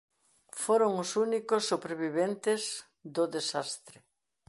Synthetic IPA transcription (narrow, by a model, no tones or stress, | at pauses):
foɾoŋʊsunikosːuβɾeβiβent̪ɪz | ðʊðesast̪ɾe